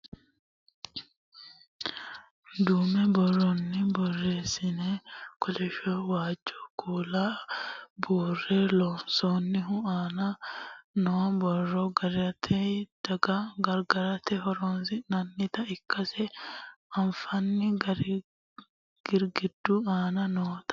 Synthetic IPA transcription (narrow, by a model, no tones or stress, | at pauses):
d̪uːmɛbɔrːɔnːɪbɔrːe̞ːsɪnekɔlɛʃoːwaːd͡ʒːokʰuːlaːbuːrːeːlɔnsoːnːɪɦʊaːnɐnoːbɔrːɔɡɐɾɐt̪ʰɛd̪̥ɐɡɐɡɐɾɡɐɾɐt̪ɛɦɔɾoːnsɪnɐnːɪt̪ɐɪkʰːɐsɛ | ɐnfɐnːɪɡɐɾ | ɡ̥ɪɾɡɪd̪ːuaːnɐnoːt̪ɐ̥